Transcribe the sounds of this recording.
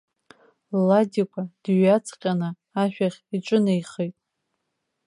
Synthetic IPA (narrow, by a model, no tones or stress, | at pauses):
ladʲikʷʰad̥ɥat͡sʰqʲʼanɨ | aʃᶣaχʲiʈ͡ʂʷʼʊnajχejtʼ